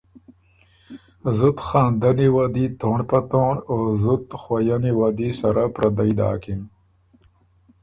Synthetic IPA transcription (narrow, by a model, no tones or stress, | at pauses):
zut̪xɑːnd̪aniwad̪it̪oɳɖpɐt̪oɳoːzut̪xwajaniwad̪isɐɾapɾɐd̪ajd̪ɑ̰ːkim